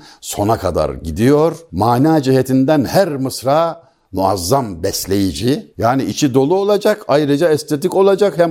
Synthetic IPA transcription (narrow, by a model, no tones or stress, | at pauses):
so̞nakʰad̪a̰ɾɟid̪ijo̞ɾmaːnaːd͡ʒiɦɛt̪ʰind̪ænhæɾmɯsɾaː | muazːambɛslʲe̞jid͡ʒijaːniit͡ʃʰid̪o̞lˠuolˠad͡ʒakʰajɾɯd͡ʒaɛst̪ʰet̪iko̞lˠad͡ʒakhɛm